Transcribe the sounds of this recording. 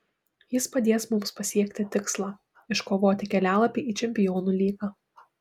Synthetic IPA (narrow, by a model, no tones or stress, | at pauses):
jɪspɐd̪ʲeːsmʊmspɐsʲiɛkʲt̪ʲɪt̪ʲɪkslˠɑː | ɪʃkoːʋoːt̪ʲɪkʲɛlʲæːlˠɐpʲiʔiːt͡ʃʲɛmʲpʲɪjoːnuːlʲiːɡɑː